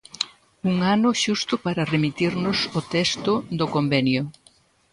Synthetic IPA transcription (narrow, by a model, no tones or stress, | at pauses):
uŋanʊʃust̪ʊpaɾɐremit̪iɾnʊsot̪ɛst̪ʊd̪ʊkombɛnjʊ